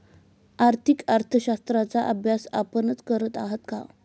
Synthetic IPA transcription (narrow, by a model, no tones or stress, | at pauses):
aɾt̪ʰikaɾt̪ʰəɕast̪ɾat͡saʔəbʱjasa̰pənət͡skəɾət̪aɦət̪ka